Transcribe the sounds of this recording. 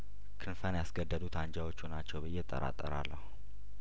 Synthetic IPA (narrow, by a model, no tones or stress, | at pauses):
kʰɨnfənjasɡəd̪ːəd̪ut̪ʰaɲd͡ʒawo̞t͡ʃːunat͡ʃːɛwbɨjɛt̪ʼə̰ɾa̰t̪ʼːəɾa̰lːəhu